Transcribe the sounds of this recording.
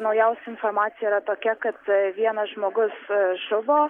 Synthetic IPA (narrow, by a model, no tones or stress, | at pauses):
nɐʊjɛʊsʲɛɪnfoːrmɑːt̪sʲɪjɛiɾɐt̪oːkʲɛkɐt̪ʋʲiɛnɐsʒmoːɡʊsʒʊʋoː